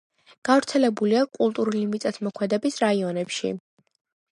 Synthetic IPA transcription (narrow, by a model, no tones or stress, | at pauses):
ɡ̥avɾt̪sʰɛlɛbuliakʼulˠt̪ʼuɾulimit̪ʼɛt̪ʰmɔkʰwɛd̪ɛbisɾaiɔnɛpʃḭ